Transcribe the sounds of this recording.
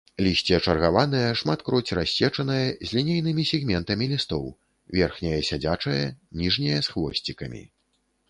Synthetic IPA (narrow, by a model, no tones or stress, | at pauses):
lʲisʲt͡sʲɛɐt͡ʂɐrɣavanɐjɐʂmat̪kɾɔt͡sʲrasʲːɛt͡ʂɐnɐjɐzʲlʲinʲejn̪ɨmʲisʲɛɣmʲɛnt̪ɐmʲilʲist̪ɔ̰w | vʲɛrxnʲɐjɐsʲad͡zʲat͡ʂɐjɐnʲiʐnʲɛjɐsxvɔ̰sʲt͡sʲikɐmʲḭ